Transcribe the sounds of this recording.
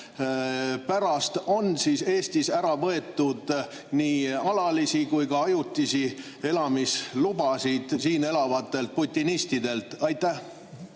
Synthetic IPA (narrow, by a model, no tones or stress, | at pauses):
pæɾɑst̪o̞nsise̞ːst̪isæɾɑvɤe̞t̪ːˑud̪̥ | niːɑlɑlisikujkɑɑjut̪ʲːˑisi | e̞lɑmislubɑsid̪̥siːne̞lɑvɑt̪ːˑe̞lt̪̚put̪ʲːinist̪id̪e̞lt̪ɑjt̪ːˑæh